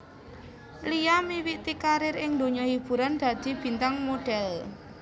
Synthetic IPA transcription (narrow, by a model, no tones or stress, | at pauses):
lijamiwiʔt̪ikaɾɪɾɪŋnd̪o̤ɲɔhib̥ṳɾand̪̥ä̤d̪̥i̤b̥i̤nt̪aŋmoɖ̥ɛl